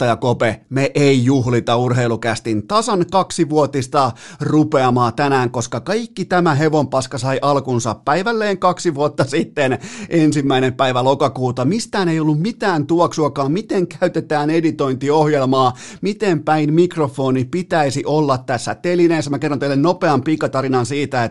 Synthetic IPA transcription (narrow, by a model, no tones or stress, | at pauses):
t̪ɑjɑkopemeʔeijuhlit̪ɑurheilukæst̪int̪ɑsɑnkɑksiʋuot̪ist̪ɑrupeɑmɑːt̪ænæːŋkoskɑkɑikːit̪æmæɦeʋompɑskɑsɑiʔɑlkunsɑ̰ppæiʋælːeːŋkɑksiʋuot̪ːɑsit̪ːenʔensimːæinempæiʋælokɑkuːt̪ɑmist̪æːnejolːummit̪æːnt̪uoksuɑkɑːmmit̪eŋkæyt̪et̪æːnedit̪oint̪iohjelmɑː | mit̪empæinmikrofoːnipit̪æisiʔolːɑt̪t̪æsːæt̪elineːsːæmækerːont̪eilːenopeɑmpikːɑt̪ɑɾinɑnsiːt̪æe